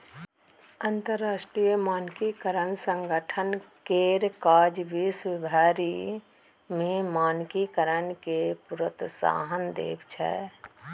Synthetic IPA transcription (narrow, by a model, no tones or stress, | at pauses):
ənt̪əɾːaːsʈɾijəmaːnkikəɾənsə̃ŋɡəʈʰənkeɾkaːd͡ʒbisʋɪbʱaːɾi | mẽmaːnkikəɾənkepuɾət̪sa̰ːɦənd̪ḛːbt͡ʃʰɛ̰